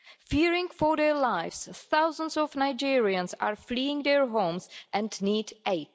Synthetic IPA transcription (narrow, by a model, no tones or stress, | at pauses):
fiɹɪ̃ŋfɔɹðɛlaɪfsθawzə̃nsɔvnaɪd͡ʒiɹiə̃nsa̰ɹfliɪ̃ŋd̪ɛɹɦõʊ̃msʔɛ̃ndnideɪt